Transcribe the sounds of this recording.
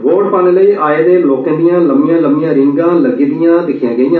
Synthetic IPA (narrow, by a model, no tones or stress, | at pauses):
ʋoːɖpaːnələiːʔaːeːd̪eːloːkãːd̪ɪjãːləmijãːləmɪjãːɾɪ̃ŋɡãːləɡiːd̪ɪjãːd̪ɪkʰɪjãːɡəĩjãː